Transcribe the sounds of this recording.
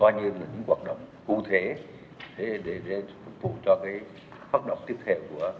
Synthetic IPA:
kɔː˧jɲi˧ənlaː˨˩ɲɨ̰˧˥ŋkwaː˨˩t̚ɗə̰˧˨wŋ͡mku˧t̪ʰe˨˦ | ɗe˨˩ɗe˧˩ɗe˧˩fʊ˨˩t̚vṵ˧˨t͡ɕɔ˧kaː˨˦j | faː˦˥t̚ɗə̰˧˨wŋ͡mt̪i˦˥əp̚t̪ʰɛ˧wku˧˩ə

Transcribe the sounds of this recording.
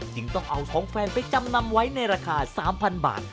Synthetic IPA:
t͡ɕɯ˧˩ŋt̪ɔ˥˩ŋʔa˧wt̪ʰɔː˩˦ŋfɛː˧npa˧jt͡ɕa˧mna˧mwa˦˥jna˧jɾaː˧kʰaː˧saː˩˦mpʰa˧nba̰ː˨˩t̪̚

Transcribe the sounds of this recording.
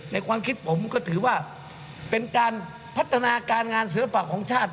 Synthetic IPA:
na˧jkʰwaː˧mkʰi˦˥t̪̚pʰo˩˦mkɔː˥˩t̪ʰɯː˩˦waː˥˩ | pe˧nkaː˧n | pʰa˦˥t̪ʰːa˧naː˧kaː˧nŋaː˧ns̬i˨˩˦la˧pa˨˩kʰːɔː˩˦ŋt͡ɕʰaː˥˩t̪̚

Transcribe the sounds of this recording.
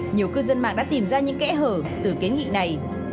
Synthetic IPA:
ɲi˨˩əwkɨ˧zə˧nma̰ː˧˨ŋɗa̰ː˧˥t̪i˨˩mzaː˧ɲɨ̰˧˥ŋkɛ̰˧˥ɦəː˧˩t̪ɨ˨˩ki˨˦nŋḭ˧˨na˨˩j

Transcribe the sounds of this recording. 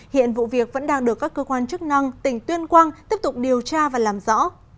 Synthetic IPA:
hḭ˧˨ənvṵ˧˨vi˨˩ək̚və̰˧˥nɗaː˧ŋɗɨ˨˩əkːaː˦˥kːəː˧kwaː˧nt͡ɕɨ˦˥k̚na˧ŋt̪ï˨˩ŋ̟t̪wi˧ənkwaː˧ŋt̪i˦˥əp̚t̪ʊ˨˩k͡p̚ɗi˨˩əwt͡ɕaː˧vaː˨˩laː˨˩mzɔ̰˧˥

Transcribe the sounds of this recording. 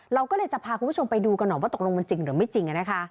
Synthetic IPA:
ɾa˧wkɔː˥˩lɤː˧jt͡ɕa˨˩pʰaː˧kʰu˧npʰo˧mpa˧jduː˧ka˧nːɔ˨˩waː˦˥˩t̪o˨˩lo˧ŋma˧nt͡ɕi˧ŋɾɯː˩˦ma˥˩jt͡ɕi˧ŋkːa˧na˦˥kʰa˦˥ʔ

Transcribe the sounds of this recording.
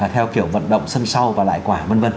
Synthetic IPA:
aː˨˩t̪ʰɛ˧wki˧˩əwvə̰˧˨nɗə̰˧˨wŋ͡msə˧nsa˧wvaː˨˩la̰ː˧˨jkwaː˧˩mə˧nvə˧n

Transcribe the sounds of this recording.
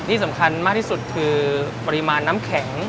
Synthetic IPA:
t̪ʰiː˥˩sa˩˦mkʰa˧nmaː˦˥˩k̚t̪ʰiː˥˩su˨˩t̪̚kʰɯː˧pa˧ɾi˦maː˧nːaː˦˥mkʰɛ˩˦ŋ

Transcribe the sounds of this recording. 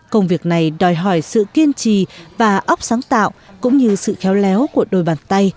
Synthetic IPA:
kə˧wŋ͡mvi˨˩ək̚na˨˩jɗɔ˨˩jɦɔ˧˩jsɨ̰˧˨ki˧ənt͡ɕi˧˨vaː˨˩ʔə˦˥wk͡p̚saː˨˦ŋt̪a̰ː˧˨wkʊ̰˧˥ŋ͡mɲɨ˧sɨ̰˧˨xɛ˨˦wlɛ˨˦wku˧˩əɗo˧˩jɓaː˨˩nt̪a˧j

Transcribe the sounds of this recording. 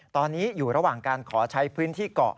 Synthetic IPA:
t̪ɔː˧nːiː˦˥juː˨˩ɾa˧waː˨˩ŋkaː˧nkʰɔː˩˦t͡ɕʰa˦˥jpʰɯː˦˥nt̪ʰiː˥˩kɔ̰˨˩ʔ

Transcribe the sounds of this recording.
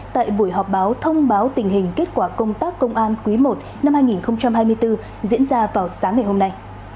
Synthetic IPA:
t̪a̰ː˧˨jɓu˧˩əjɦɔ˨˩p̚ɓaː˨˦wt̪ʰə˧wŋ͡mɓaː˨˦wt̪ï˨˩ŋ̟ɦï˨˩ŋ̟ke˦˥t̚kwaː˧˩kə˧wŋ͡mt̪aː˦˥kːə˧wŋ͡mʔaː˧nkwi˨˦mo˨˩t̚ | na˧mhaː˧jŋi˨˩nxə˧wŋ͡mt͡ɕa˧mɦaː˧jmɨ˧əjt̪ɨ˧ | zḭ˧˥ənzaː˧vaː˨˩wsaː˨˦ŋːa˨˩jho˧mna˧j

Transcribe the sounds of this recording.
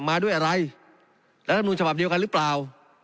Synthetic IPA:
maː˧du˥˩əjʔa˧ɾa˧j | lɛ˦˥t̪ʰa˧mnuː˧nt͡ɕʰaba˨˩p̚di˧əwka˧nɾɯː˦˥plaː˨˩w

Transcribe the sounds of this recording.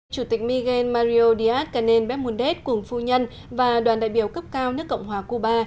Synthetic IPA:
t͡ɕu˧˩t̪ï˨˩k̟̚mi˧ɣe˧nmaː˧ɾi˧o˧ɗi˧ʔaː˦˥t̚kaː˧˩ne˧nɓɛ˦˥t̚mu˧nɗe˦˥t̚kʊ˨˧˩ŋ͡mfu˧ɲə˧n | vaː˨˩ɗwaː˨˩nɗa̰ː˧˨jɓi˧˩əwkə˦˥p̚kaː˧wnɨ˦˥əkːə̰˧˨wŋ͡mhwaː˨˩ku˧ɓaː˧

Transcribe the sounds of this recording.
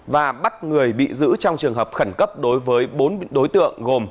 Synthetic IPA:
vaː˨˩ɓa˦˥t̚ŋɨ˨˩əjɓḭ˧˨zɨ̰˧˥t͡ɕɔ˧wŋ͡mt͡ɕɨ˨˩əŋɦəː˨˩p̚xə˧˩ŋkə˦˥p̚ɗo˨˦jvəː˨˦jɓo˨˦nɗo˨˦jt̪ɨ̰˧˨əŋɣo˨˩m

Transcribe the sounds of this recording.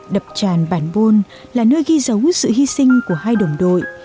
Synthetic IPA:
ɗə˨˩p̚t͡ɕaː˨˩nɓaː˧˩nɓo˧n | laː˨˩nəː˧jɣi˧zə˨˦wsɨ̰˧˨hi˧sï˧ŋ̟ku˧˩əhaː˧jɗə˨˩wŋ͡mɗo̰˧˨j

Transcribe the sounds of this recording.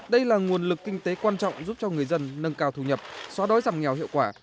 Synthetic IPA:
ɗə˧jlaː˨˩ŋu˨˩ənlɨ˨˩kːï˧ŋ̟t̪e˨˦kwaː˧nt͡ɕɔ̰˧˨wŋ͡mzu˦˥p̚t͡ɕɔ˧ŋɨ˨˩əjzə˧nːə˧ŋkaː˧wt̪ʰu˧˩ɲə˨˩p̚swɔ˨˦ɗo˨˦jzaː˨˩mŋɛ˨˩whḭ˧˨əwkwaː˧˩

